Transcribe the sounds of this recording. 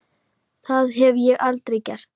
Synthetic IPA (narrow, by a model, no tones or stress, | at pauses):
θaðɛvjɛɣalt̪ɾɛjcɛr̥t̪